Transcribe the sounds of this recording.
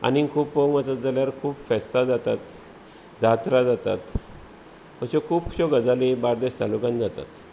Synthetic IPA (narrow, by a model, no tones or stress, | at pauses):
a̰nikʰuːpːəŋət͡səd͡zaljaɾkʰuːpfɛst̪ad͡zat̪at̪ | d͡zat̪ɾad͡zat̪a̰t̪ | əɕekʰuːpkʰɕoɡəd͡zalebaɾd̪eɕt̪alukãnd͡zat̪a̰t̪